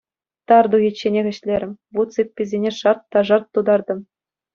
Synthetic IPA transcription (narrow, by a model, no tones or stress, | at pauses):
t̪ɑrd̪uɣʲit͡ɕːenʲeɣʲɘ̆ɕlʲeɾʲɘ̆mʲvut̪t͡sipʲːizʲenʲeʂɑrt̪ːɑʐɑrt̪ːud̪ɑrd̪ɤ̆m